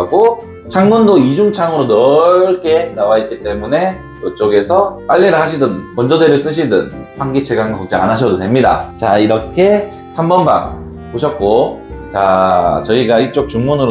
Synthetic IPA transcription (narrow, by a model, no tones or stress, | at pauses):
aɡo | t͡ɕʰaŋmundoid͡ʑuŋt͡ɕʰaŋɯɾonʌɭk͈ʰe̞nawait̚k͈it͈e̞mune̞ | tot͡ɕ͈oɡe̞sʰʌp͈aʎːeɾɯɭɦaɕʰidɯnpʌnd͡ʑʌdeɾɯɭs͈ɯɕʰidɯnɸaŋɡit͡ɕʰeɡanɡkʌk̚t͡ɕ͈ia̰naɕʰʌdote̞mɲida̰t͡ɕaiɾʌkʰe̞ | sʰambʌnba̰ | poɕʰʌt̚k͈ot͡ɕat͡ɕʌiɡait͡ɕ͈ok̚t͡ɕuŋmunɯɾo